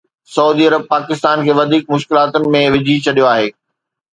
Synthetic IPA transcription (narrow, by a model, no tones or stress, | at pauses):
sɐuːd̪iɐɾəb̚paːkɪst̪aːnkʰeːʋɐd̪ʱiːk̚mʊʃkɪlaːt̪ʊnɪ̆mẽʋɪd͡ʑʱit͡ɕʰɐɗijoaːɦeː